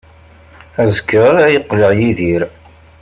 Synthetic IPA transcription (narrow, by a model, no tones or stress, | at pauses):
æzəkːəɾˤæjəqːləʕjiðiɾ